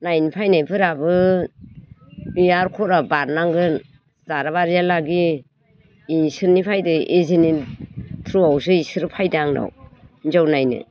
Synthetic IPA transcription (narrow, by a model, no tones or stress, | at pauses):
najnipʰajnajpʰɯɾabɯ | biaɾkʰɔɾabaɾnaŋɡɯn | zaɾaβaɾijalaɡiː | sɯɾnipʰajdɯʔezɯnitʰɾuawsɯisɯɾɯpʰajdaŋna̰wnzawnajnɯ̰